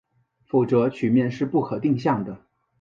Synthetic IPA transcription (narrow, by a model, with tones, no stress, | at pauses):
fu˥˨˩t͡sɤ˧˥t͡ɕʰy˨˩mjɛ˥˧nʂɻ̩˥˧pu˥˩kʰɤ˨˩t̪i˥˧ŋɕjɑ˥˩ŋd̪ə˩